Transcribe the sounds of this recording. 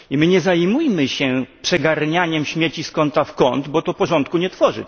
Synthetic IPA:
imɘɲɛzajmujmɘɕɛpʂɛɡaɾɲaɲɛmɕmʲjɛt͡ɕiskɔnt̪afkɔnd̪bɔt̪ɔpɔʐɔnt̪̚kuɲɛt̪fɔʐɨ̰

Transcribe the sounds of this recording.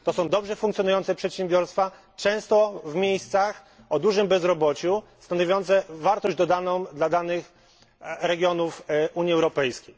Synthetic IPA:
t̪ɔsɔ̃w̃d̪ɔbʐɛfuŋk̪sjɔnujɔnt̪sɛpʂɛt̪ɕembʲjɔɾst̪fa | t͡ʂɛ̃w̃st̪ɔvmʲjejst̪sax | ɔd̪uʐɘmbɛzɾɔbɔt͡ɕust̪anɔvʲjɔnt̪sɛvaɾt̪ɔʑd͡ʑd̪ɔd̪anɔ̃w̃d̪lad̪anɘx | ɾɛɡʲjɔnufuɲjiɛwɾɔpɛjskʲej

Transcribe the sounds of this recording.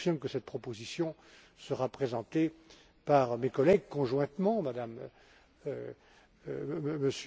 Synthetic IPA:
fiʁmkəsɛt̪̚pχɔpozisjɔ̃ | səʁapχezɑ̃t̪e | paʁmekɔlɛɡ̚kɔ̃ʒwɛ̃t̪mɑ̃mad̪am | məs

